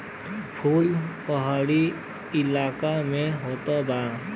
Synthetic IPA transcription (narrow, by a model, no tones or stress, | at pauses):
pʰulpəɦaɽi | ɪlaːkameɦot̪əba